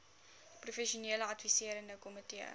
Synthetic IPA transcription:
prufɛʃuniələɐtfisiəɾəndəkɔmətiə̰

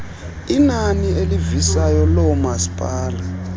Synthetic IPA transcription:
inanielivisajɔlɔmasi̥pʼaːla

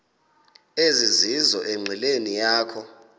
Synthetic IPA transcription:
ezizizɔʔeŋ͡ǀʱilenijaːkʰɔ

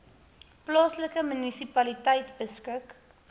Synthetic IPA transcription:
plɑːsləkəmynisipɐlitɛjtbəskək

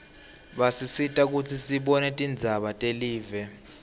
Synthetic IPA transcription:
ɓasisitʼak̬utʰisiɓɔnɛtʼind͡zʱaɓatʼeliːvɛ

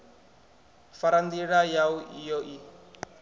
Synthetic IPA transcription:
faɾand̪iɺajawijoʔi

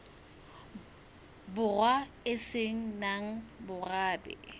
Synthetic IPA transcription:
bʊrwa | ɪseŋ̩naŋ̩bʊraːbɛ̰

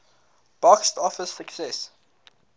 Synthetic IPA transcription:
b̥ɔkstɔfəsːəksɛs

